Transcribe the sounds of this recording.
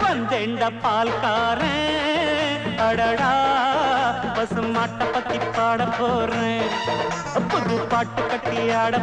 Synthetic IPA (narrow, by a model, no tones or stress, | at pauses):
ʋɐnd̪eɳd̪ɐpaːlkaːɾẽ | ɐɽɐɽaː | bɐsɐmːaːʈːɐpːɐt̪ːipːaːɽɐpoːɾe | pʊd̪upaːʈːɯkːɐʈːijaːɽɐ